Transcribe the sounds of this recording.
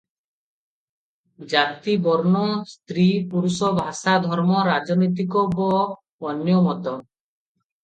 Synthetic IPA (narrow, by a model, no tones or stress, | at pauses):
d͡ʒat̪ibɔɾnɔst̪ɾipuɾusɔbʱasad̪ʱɔɾmɔɾad͡ʒɔnɔjt̪̬ikɔbɔ | ɔnjɔmɔt̪ɔ